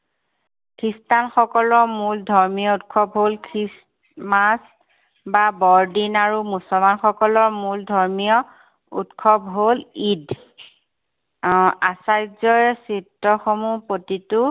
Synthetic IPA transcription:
kʰɹistanxɔkɔlɔɹmuldʱɔɹmijɔutkʰɔbɦolkʰɹis | mas | babɔɹdinaɹumusɔlmanxɔkɔlɔɹmuldʱɔɹmijɔ | ṵtkʰɔbɦolid | asajzɔjsitːɔxomupotitʊ

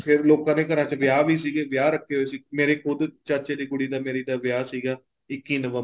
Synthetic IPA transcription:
pʰɪɾloːkãːnẽːkəɾãːt͡ʃəʋjaːʋiːsiːɡeːʋjaːɾəkʰːeːɦoeːsiːmeːɾeːkʰʊd̪t͡ʃəɾt͡ʃeːd̪iːkʊɽiːd̪aːmeːɾiːd̪aːʋjaːsiːɡaː | ɪkːiːnəʋə

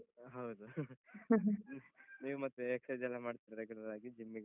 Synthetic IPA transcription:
ɦɐwd̪u | niːʋumɐt̪ːueksɐd͡ʒɛlːɐmaːɽt̪iɾɐɾeɡɐɽɐd̪aːɡid͡ʒimːiɡ

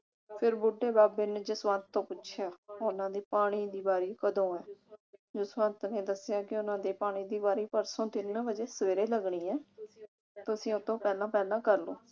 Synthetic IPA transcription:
pʰɪɾbʊɖːeːbaːbeːnd͡ʒɪsʋãːnt̪ːõːpʊːʃʰjaːʊnãːd̪iːpaːɽ̃iːd̪iːbaːɾiːkəd̪õːɛːd͡ʒʊsʋãːnt̪neːd̪əsɪjaːkɪʊnãːd̪eːpaːɽ̃iːd̪iːbaːɾiːpəɾsõːt̪ɪnbəd͡ʒeːsəʋeːɾeːləɡɳiːɛː | t̪ʊsĩːʊt̪ːõːpɛːlãːpɛːlãːkəɾloː

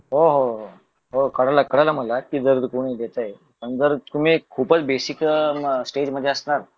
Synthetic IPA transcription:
ɦoɦoɦo | ɦokəɽalakəɽajlam̤əlakiːd͡zəɾd̪kuɽ̃id̪et̪aje | pəɳd͡zəɾt̪um̤ikʰuːpət͡sbesiksʈed͡ʑməd̪ʱːjeəsnaɾ

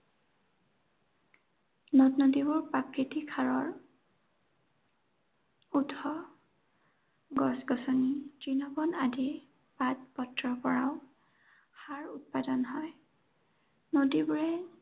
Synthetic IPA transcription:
notnodibʊɹpakɹitikʰaɹɔɹ | utʰɔ | ɡɔsɡɔsɔnid͡ʒinɔbɔnadɛ | pat̚pɔtɹɔpɔɹaʊ | haɹut̚padɔnɦɔj | nodibʊɹɛ

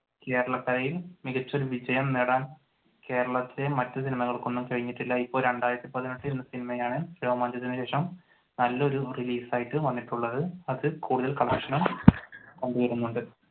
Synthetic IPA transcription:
ke̞ːɾɐɭɐkːɐɾɐjilmiɣɐt͡ɕːo̞ɾuʋid͡ʑɐjɐmniɽaːn | ke̞ːɾɐɭɐt̪ːle̞mɐtːɨs̬inimɐɣɐɭko̞nːumkɐɻiɲːiʈːilːɐipːo̞ːlɾe̞ɳɖaːjɾɐt̪ːipɐðinoʈːiɾenːɨsinimɐjaːɳɨɾo̞ːmaːɲd͡ʑɐt̪ːinɨɕe̞ːʂɐm | nɐlːɐo̞ɾuriliːsaːjiʈːɨʋɐnːiʈːuɭːɐðɨɐðɨkuːɽuðɐlkɐɭɐkʂɐnum | kɐɳɖuɣɐɾunːuɳɖɨ

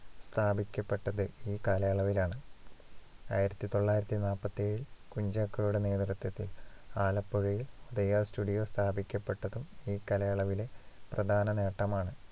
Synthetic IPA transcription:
st̪ʰaːbʱikʲːɐpːe̞ʈːɐðɨiːkaːlɐjaːɭɐʋilaːɳɨ | a̰ːjiɾɐt̪ːit̪o̞ɭːaːjiɾɐt̪ːinaːlpːɐt̪ːeːɻiɭkuɲd͡ʑaːkːɐjuɽene̞ːd̪rɐt̪wɐt̪ːilaːlɐpːoɻujiluðɐjaːstuːɖijo̞ːst̪ʰaːbʱikʲːɐpːe̞ʈːɐðumiːkɐlɐjaːɭɐʋile̞prɐd̪ʱaːnɐne̞ːʈːɐmaːɳɨ

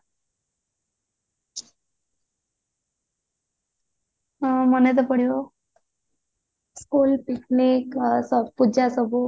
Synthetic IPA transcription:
mənet̪əpəɽ̤jo | skulpikniksəpud͡ʑasəbo

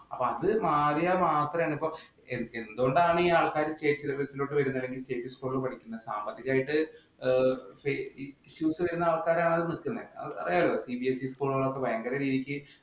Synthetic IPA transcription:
ɐpːoɐðɨmaːɾijɐmaːt̪rɐmaːɳɖipːo̞ | enend̪oːɳɖaːɳɨiaːɭkaːɾɨste̞ːʈːɨ̥sileʋɐlsilo̞ːʈːɨʋɐɾunːɐlːeŋɡilste̞ːʈːɨskuːɭupɐʈʰikʲːunːɐsaːmbɐt̪ːiɣaːjiʈːɨ | feɕjuːsɨʋɐɾunːɐaːɭkaːɾaːɳɐðnikːunːɐ̰ɐ̰ðajaːlosibiesiskuːɭɐɭokːe̞bʱɐjɐŋɡɐɾɐɾiːðikʲːɨ

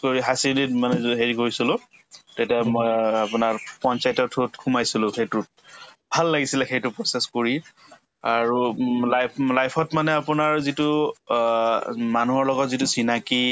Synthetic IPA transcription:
koɹiɦasiditmanɛzɦeɹiɡoɹsilʊ̃tejtiamɔjapʊnaɹpɔnt͡ʃajtɔtʰutkʰumajsilʊ̃xejtu | bʱalːaɡisilɛxejtʊpɹɔseskoɹi | aɹulajplajpʰɔtmanɛapʊnaɹzitu | manuɦɔɹlɔɡɔtzitusinaki

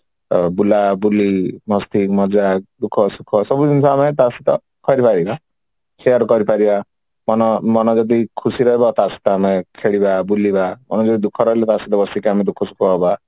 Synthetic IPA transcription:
bulabulimɔst̪ʰikmɔd͡ʒak̚d̪ukʰɔsukʰːɔsɔbud̪insʰɔamet̪asit̪ɔ | kɔɾipaɾiba | kʰeɔɾɔkɔɾipaɾiba | mɔnɔmɔnɔd͡ʒɔd̪ikʰusiɾɔɦebɔt̪asi̥t̪ɔamekʰeɭibabulibamɔ̰nɔd͡ʒɔd̪id̪ukʰːɔɾɔɦelɔt̪asit̪ɔbɔsikeamed̪ukʰːɔsu̥kʰɔba

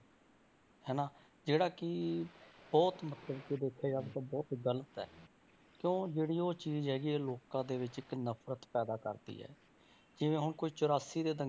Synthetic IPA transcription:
ɦɛːnaː | d͡ʒeːɽaːkɪ | bɔːt̪mət̪ləbked̪eːkʰaːd͡ʒaːɡt̪ãːbɔːt̪ɡələt̪ɛ̰ː | kjõːd͡ʒeːɽiːoːt͡ʃiːzɦɛːɡiːeːloːkãːd̪eːʋɪt͡ʃɪknəpʰɾət̪pɛːd̪aːkə̰ɾd̪ḭːɦɛ̰ː | d͡ʒɪʋẽːɦʊnɳkoit͡ʃʊɾaːsiːd̪eːd̪ə

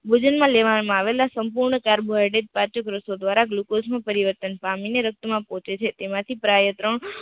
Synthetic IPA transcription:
bʱud͡ʒənmãleʋanmãaʋelasəmpuɾɳəkaɾboajɖed͡ʒpat͡ʃəkɾəsod̪ʋaɾaɡlukosmãpəɾiʋəɾt̪ənpamineɾək̚t̪əmãpɔ̃t͡ʃet͡ʃʰet̪emãt̪ʰipɾajət̪ɾəɳ

